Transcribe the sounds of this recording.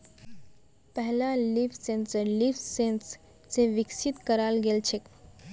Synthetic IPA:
pɛɦlalifsẽnsəɾliːfsens | seʋɪksɪt̪kəɾaːlɡelt͡ʃʰek

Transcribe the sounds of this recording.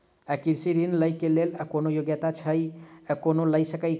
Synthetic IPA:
əkiɾsiɾinləjkeleləkonojoɡjət̪at͡ʃʰəjəkonoləjsəkəj

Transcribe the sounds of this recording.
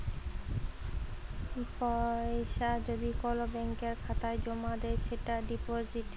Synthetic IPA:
pɔeʃad͡ʑod̪ikɔlobɛŋkeɾkʰat̪aed͡ʑɔmad̪eʃeʈaɖipoziʈ

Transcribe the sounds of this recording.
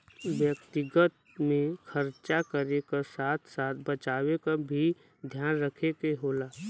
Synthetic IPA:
ʋjək̚t̪ɪɡət̪̚ | mẽxəɾt͡ʃakəɾekasaːt̪ʰsaːt̪̚ʰbət͡ʃaːwekabʱi | d̪ʱjaːnɾəkʰekeɦoːlaː

